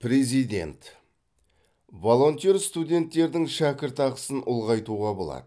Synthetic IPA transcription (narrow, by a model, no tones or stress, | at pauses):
pɾe̞zijd̪ʲe̞̰nt̪ | vo̞lˠo̞nt̪eɾst̪ud̪ʲe̞nt̪ːe̞ɾd̪ɪŋʃækʲɪɾt̪ɑʁəsənʔʊlˠʁɑjt̪uʁɑbolˠɑ̰d̪̥ə